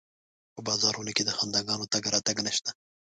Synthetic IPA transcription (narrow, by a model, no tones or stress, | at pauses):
pəbɑzɑɾunoked̪əxand̪aɡɑnot̪aɡɾɑt̪aɡnəʃt̪a